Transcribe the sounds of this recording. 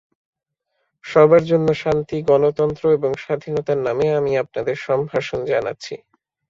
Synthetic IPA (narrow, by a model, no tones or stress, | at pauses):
ʃɔbaɾd͡ʑonːoʃant̪iɡɔnot̪ɔnt̪ɾoeboŋʃad̪ʱinɔt̪aɾnameamiap̚nad̪eɾʃɔmbʱaʃond͡ʑana̰tːɕʰḭ